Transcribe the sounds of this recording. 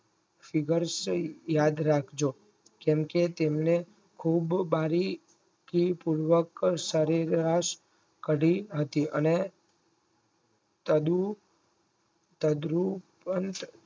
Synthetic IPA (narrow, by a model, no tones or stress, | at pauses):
fiɡəɾsjad̪ɾakʰd͡ʒo | kɛmket̪emne | kʰubːaɾi | kipuɾʋəksəɾeɾaʃ | kəɽiɦət̪iəne | t̪əd̪u | t̪əd̪ɾupənt̪